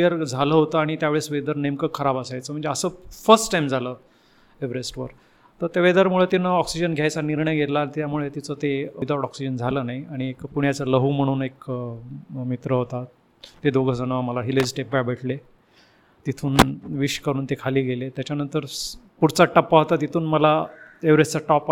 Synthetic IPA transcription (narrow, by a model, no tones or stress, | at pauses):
jəɾd͡zʱaləːɦot̪əaɽ̃it̪jaʋeɭesʋed̪əɾnemkəkʰəɾabəsajt͡səːm̤əɳd͡zeəsəːfəɾsʈʈajmd͡zʱalə | eʋ̤ɾesʈʋəɾ | t̪əɾt̪eʋed̪əɾmuɭet̪inəɔksid͡ʑənɡʱjajt͡saniɾɳəjɡʱet̪lat̪jamuɭet̪it͡sət̪ed̪aʈɔksid͡ʑənd͡zʱaləːnaiaɽ̃iekpuɳjat͡sələɦum̤əɽ̃uːnek | mit̪ɾəɦot̪a | t̪ed̪oɡʱəd͡zənəməlaɦiled͡zʈepbajbʱəʈle | t̪it̪ʰuːnʋiɕkəɾuːnt̪ekʰaliːɡʱelet̪jat͡ɕanənt̪əɾpuɽt͡saʈəpːaɦot̪at̪it̪ʰuːnməlaeʋɾest͡saʈɔp